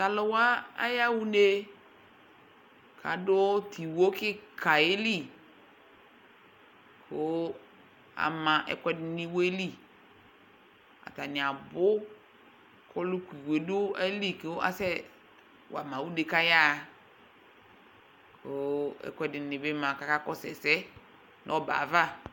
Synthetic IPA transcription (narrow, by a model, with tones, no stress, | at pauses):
ta˨lʊ˨wa˦a̰˦ja˦wu˦ne˦ | kʰa̰˨dʊ˦tʰi˨wo˦kɪ˦kʰa˨e˦li˦˨ | kʰʊ˦ | a̰˨mã˨ʔɛ̰˨kɛ˦dɪ˦nɪ̃˦we˦li˦˨ | a̰˨ta˨nɪ̃˨a˨bʊ˦ | kʰɔ˦lu˦kʷi˨we˨dʊ˦a˦li˦kɪ˦a̰˦sɛ˦ | wa˨mã˨wu˦de˨ka˦ja˦˨ | kʊ˦ɛ̰˨kʷɛ˦dɪ˨nɪ̃˨bɪ˦mã˨ka˦ka˦kɔ˦sɛ˨sɛ˦ | n˦ɔ˦ba̰˨va˦˨